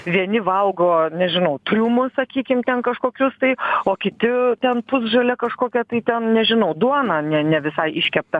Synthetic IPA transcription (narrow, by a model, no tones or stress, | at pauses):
ʋʲiɛnʲɪʋɐlˠɡoːnʲɛʒʲɪnɐʊt̪ʲɾʲuːmʊsɐkʲiːkʲɪmt̪ʲɛnkɐʃkoːkʲʊst̪ɐɪoːkʲɪt̪ʲɪt̪ʲɛnpʊzʒɐlʲɛkɐʃkoːkʲɛt̪ɐɪt̪ʲɛnnʲɛʒʲɪnɐʊd̪uɔnɑːnʲɛnʲɛʋʲɪsɐɪʔɪʃʲkʲɛp̚t̪ɐ